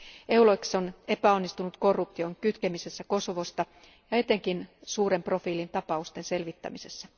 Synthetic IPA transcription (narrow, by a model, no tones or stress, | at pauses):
ewloikso̞ne̞pæo̞nːist̪unut̪ko̞rːup̚t̪io̞ŋkyt̪kemise̞sːæko̞soʋo̞st̪ɑ | jɑe̞t̪ːˑe̞ŋkinsuːre̞mpro̞fiːlint̪ɑpɑust̪ense̞lʋit̪ːæ̰mise̞sːæ